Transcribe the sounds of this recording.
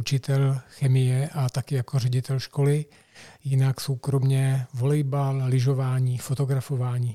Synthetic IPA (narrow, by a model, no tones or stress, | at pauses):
ut͡ʃɪt̪ɛlxɛmɪjɛʔat̪akɪjakorɛɟɪt̪ɛlʃko̞lɪ | jɪnaksowkɾomɲɛvo̞lɛjballɪʒo̞vaːɲiːfot̪o̞ɡɾafo̞vaːɲiː